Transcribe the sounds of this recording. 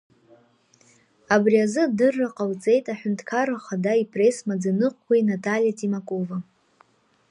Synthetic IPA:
abriazɨdɨrːaqʼawt͡sʼe̞jtʼaħʷᶣʊntʰʼkʰaɾaχadaipʼre̞smad͡zanɨqʷkʰʷajnatʼaljatʼimakʼo̞va

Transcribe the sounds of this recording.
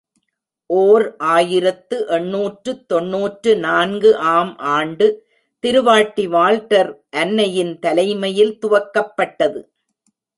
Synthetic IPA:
ʔoːɾʔaːjɪɾɐt̪ːɯʔɛɳːuːʈrɯt̪ːɔɳːuːʈrɯnaːnɡɯʔaːmʔaːɳɖɯ | t̪ɪɾɯʋaːʈːiʋaːlʈɐɾʔɐnːɐjɪnt̪ɐlɐɪmɐjɪlt̪ʊʋɐkːɐpːɐʈːɐðɯ

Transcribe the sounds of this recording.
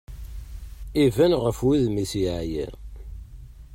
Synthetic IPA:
ivænʁəfwiðmisijḭ

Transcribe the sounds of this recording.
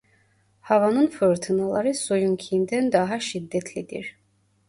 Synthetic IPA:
hɑvɑnɯnfɯɾt̪ʰɯnalˠɑɾɯsojuŋkʰiind̪ænd̪ɑɦɑʃid̪ːɛt̪ʰlid̪ḭɾ

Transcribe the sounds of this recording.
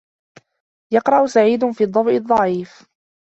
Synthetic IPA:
jɑqɾˤɑʔʊsaʕiːd̪ʊfiːd̪ˤːɑbʔɨd̪ˤːɑʕiːf

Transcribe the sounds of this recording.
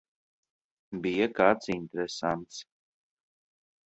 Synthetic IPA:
bijakaːt̪sint̪eɾɛsant̪s

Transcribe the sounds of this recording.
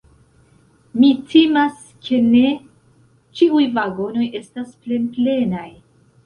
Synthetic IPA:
mitʰemas | kʰe̞ne̞ | t͡ʃiujvaɡo̞no̞je̞stasple̞nple̞naj

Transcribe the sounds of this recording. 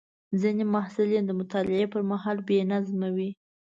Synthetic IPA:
zinemahsɪlid̪əmʊt̪ɑlɪepəɾmaɦɑlbenazmawi

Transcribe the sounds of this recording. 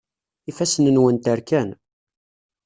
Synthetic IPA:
ifæsənənwənt̪əɾkæn

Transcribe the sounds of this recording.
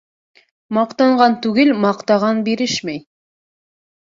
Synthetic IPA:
mɑqt̪ɑɴʁɑnt̪ʉɡɘlmɑqt̪ɑʁɑnbeɾɘʃmej

